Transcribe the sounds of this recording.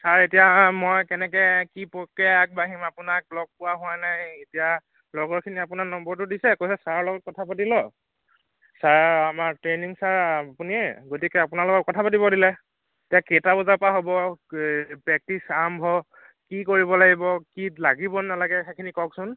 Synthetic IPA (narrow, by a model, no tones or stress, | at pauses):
saɹetijamojkɛnɛk̬ɛkipɔkɛak̚baɦimapʊnak̚lɔɡ̚pʊwaɦʊanajetija | lɔɡɔɹkʰiniapʊnaɹnɔmbɔɹtʊdisɛkojsɛsaɹlɔɡɔt̚kɔtʰapatilɔ | saɹamatɹeniŋsaɹpuniɛɡotikɛapʊnalɔɡɔt̚kɔtʰapat̬ibɔdilɛ | etijaketabɔzapaɦobɔ | pɛk̚tisambʱɔ | kikoɹibɔlaɡibɔkilaɡibɔnalaɡɛxɛkʰinikɔksʊn